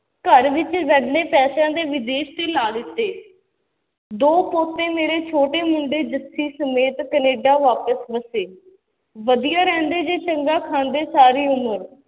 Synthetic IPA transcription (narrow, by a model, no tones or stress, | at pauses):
kəɾʋɪt͡ʃʋɛɖleːpɛːsãːd̪eːʋɪd̪eːʃt̪eːlaːd̪ɪt̪ːeː | d̪oːpoːt̪ːẽːmeːɾeːt͡ʃʰoːʈeːmʊɳɖeːd͡ʒət̪ʰːiːsəmeːt̪kəneːɖaːʋaːpəsbəseː | ʋəd̪ijaːɾɛ̃ːnd̪eːd͡ʒeːt͡ʃəŋɡaːkʰãːnd̪eːsaːɾiːʊməɾ